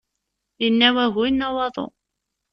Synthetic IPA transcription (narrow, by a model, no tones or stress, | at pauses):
jənːæwæɣujnːɑwɑðˤo̰